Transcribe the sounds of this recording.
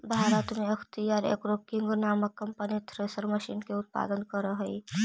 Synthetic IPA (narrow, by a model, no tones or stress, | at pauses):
bʱaːɾət̪mẽɐkʰt̪ijaːɾḛːkɾokɪŋɡunaːməkːɐmpənit̪ʰɾeːsəɾməʃinkeʊt̪̚pa̰ːd̪ənkəɾəɦəi